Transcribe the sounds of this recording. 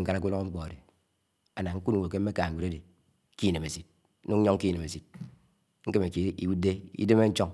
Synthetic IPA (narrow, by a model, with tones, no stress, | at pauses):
ŋ̩˦ka˦na˨k̬u˦lo˦ŋo˦m̩˦k͡pɔ˨a˨de˨ | a˨na˨ŋ̩˦ku˦n˨o˨ke˦m̩˦me˦ka˨u˨ɾe˦de˨˦ | ki˦ne˨me˨si˨t̩̚˦ | nu˦ŋ˦ɲo˦ŋ˦ki˦˨ne˨me˨si˨t̚ | ŋ̩˦ke˦me˨ki˦wu˦de˦ḭ˦de˦me˦n̩˦t͡ʃo˦ŋ